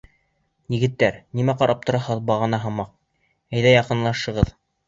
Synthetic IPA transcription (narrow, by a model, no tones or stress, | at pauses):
jɘ̆ɡɘ̆t̪ːæɾnimæqɑɾʔɑp̚t̪ŏɾɑhɤðbɑʁɤ̆nɑɦɤ̆mɑq̚ | æjðæjɑqɤ̆nlˠɑʃɤ̆ʁɤð